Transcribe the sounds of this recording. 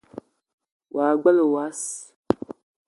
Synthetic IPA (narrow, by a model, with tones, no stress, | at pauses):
wʔa˨ɡ͡ba˦lwa˨˦s